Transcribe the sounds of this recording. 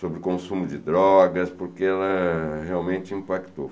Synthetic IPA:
sobɾɪkõsũmʊd͡ʒɪd̪ɾɔɡɐspʊɾkeɛlɐheawmẽt͡ʃɪĩpakt̪o

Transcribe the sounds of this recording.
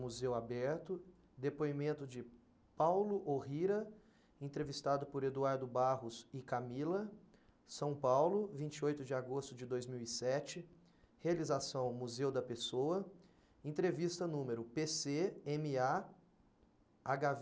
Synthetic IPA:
muzewabɛɾt̪ʊ | d̪epoimẽnt̪ʊd͡ʒɪ | pawlʊʔoɦiɾɐ | ẽnt̪ɾevist̪ad̪ʊpʊɾed̪uaɾd̪ʊbaɦʊsɪkamilɐ | sɐ̃w̃pawlʊvĩt͡ʃɪojt̪ʊd͡ʒɪaɡost̪ʊd͡ʒɪd̪ojzmiwisɛt͡ʃɪ | healizasɐ̃w̃muzewd̪ɐpesowɐ | ẽnt̪ɾevist̪ɐnũmeɾʊpeseẽmɪa | aɡav

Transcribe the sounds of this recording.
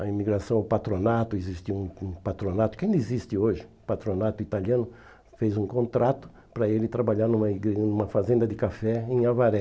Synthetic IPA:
ɐimiɡɾasɐ̃w̃ʊpat̪ɾonat̪ʊezist̪iwũũpat̪ɾonat̪ʊkẽj̃d̪izist̪ɪoʒɪʊpat̪ɾonat̪ʊit̪aljiɐ̃nʊ | fezũkõnt̪ɾat̪ʊ̥ | pɾɐelɪt̪ɾabaʎaɾnũmɐiɡnũmɐfazẽnd̪ɐd̪ɪkafɛẽj̃avaɾɛ

